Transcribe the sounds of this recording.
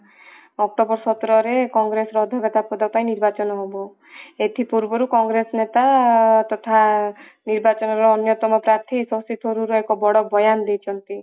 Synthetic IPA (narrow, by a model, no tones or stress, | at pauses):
ɔk̚ʈobɔɾsɔt̪ɾɔɾekɔŋɡɾesɔɾɔd̪ʱɔɡɔt̪apɔd̪apaĩniɾbat͡ʃɔnɔɦobɔ | et̪ʰipuɾbɔɾukɔŋɡɾesɔnet̪at̪ɔt̪ʰa | niɾbat͡ʃɔnɔɾɔːnjɔt̪ɔmɔpɾaɾt̪ʰisɔsit̪ʰoɾuɾɔekɔbɔɽɔbɔjand̪ejt͡ʃʰɔnt̪i